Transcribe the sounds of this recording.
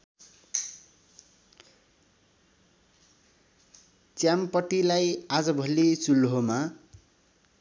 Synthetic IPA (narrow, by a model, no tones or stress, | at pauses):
t͡sjampʌʈilajad͡zʌbʱʌlesulɦoma